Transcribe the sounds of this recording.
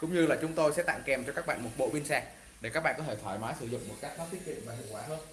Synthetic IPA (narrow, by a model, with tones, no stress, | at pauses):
kʊ̰˧˥wŋ͡mɲɨ˧laː˨˩t͡ɕʊ˨˦ŋ͡mt̪o˧jsɛ̰˧˥t̪a̰ː˧˨ŋkɛ˨˩mt͡ɕɔ˧kaː˦˥k̚ɓa̰ː˧˨nmo˨˩t̚ɓo̰˧˨ɓi˧nsaː˧˩k̚ | ɗe˧˩ka˦˥ɓa̰ː˧˨˩kɔ˨˦t̪ʰe˧˩t̪ʰwaː˧˩jmaː˨˦jsɨ˧˩zʊ̰˧˨ŋ͡mmo˨˩t̚kaː˦˥k̚nɔ˨˦˥t̪i˦˥t̪̚ḭ˧˨ənmaː˨˩ɦḭ˧˨əkwaː˧˩ɦəː˧n